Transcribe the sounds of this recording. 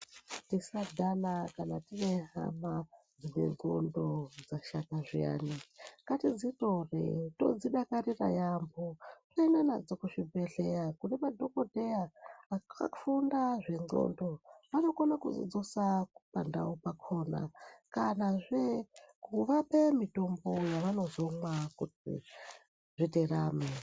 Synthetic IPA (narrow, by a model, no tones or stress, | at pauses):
tisadʱanakanatineɦa̰ma | d͡zine̞̰ŋɡo̰ndo̞d͡zaʃakaʐia̰ːnikatid͡zitorḛto̞̰d͡ziɗakarira̰jambotoinanad͡zokuʐibeɮejakunemadʱo̞kodʱejaaa̰fundaʐeŋo̰ndoʋano̞konakṵzḭd͡zosaupa̰nda̰upakʰoːna̰kanaʐekuʋape̞mito̞mbo̞jaʋano̞zo̞mwakuḭ | ʐiteɾaːme